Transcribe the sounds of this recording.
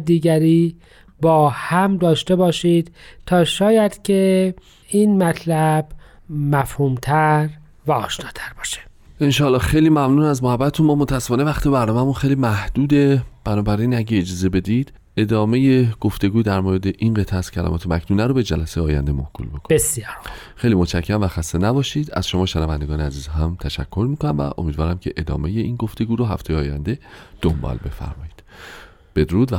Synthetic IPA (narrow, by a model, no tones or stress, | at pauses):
d̪iːɡæɾiː | bɒːhæmd̪ɒːʃt̪e̞bɒːʃiːd̪̥t̪ʰɒːʃɒːjæd̪̥cʰe | iːnmæt̪ʰlæb̥ | mæfhuːmt̪ʰæɾ | væɒ̰ːʃnɒːt̪ʰæɾbɒːʃe̥ | enʃɒːlːɒːxejliːmæmnuːnæzmohæbːæt̪et̪ʰunmɒːmot̪ʰæsːefɒːnevæxt̪ibæɾnɒːmæmunxejlimæhd̪̥uːd̪e̞b̥ænɒːbæɾinæɟeːd͡ʒɒːze̞be̞d̪id̪̥ | e̞d̪ɒːme̞jeɡ̥o̞ft̪e̞ɡuːd̪æɾmoːɾed̪e̞ʔinɢet̪ʰæz̥cʰælæ̰mɒ̰ːt̪ʰemæcʰnuːnæɾobe̞d͡ʒælæsejeɒːjæ̰nd̪emo̰hkʰṵlmikʰo̥esjxejlimot͡ʃʰæcʰːæmvæxæst̪enæbɒːʃiːd̪æ̰z̥ʃomɒːʃenævænd̪eɡɒːneæziːzɦæmt̪ʰæʃæ̰kʰːo̞ɾmiːkʰo̞næmvæ̰ʔo̞̰miːd̪vɒːɾæmcʰe̞ʔed̪ɒ̰ːme̞je̞inɡo̞ft̪e̞ɡuːɾoɦæft̪ejeɒːjæ̰nd̪e̞d̪̥ombɒ̰lbe̞̰fæ̰ɾmɒ̰ːjiːd̪̥ | b̥e̞d̪oɾuːd̪væ